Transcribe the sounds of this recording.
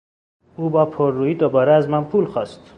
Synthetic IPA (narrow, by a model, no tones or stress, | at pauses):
uːbɒːpʰoɾːuːjiːd̪obɒːɾeæzmænpʰuːlxɒːst̪